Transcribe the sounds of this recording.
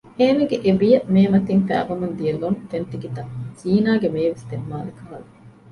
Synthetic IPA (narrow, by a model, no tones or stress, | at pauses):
eːmeɡeʔeʋijɐmeːmɐt̪infæ̰ːʋɐmund̪ijɐlont̪ent̪iɡit̪ɐziːnaːɡemeːʋest̪emːaːlekɐɦɐlu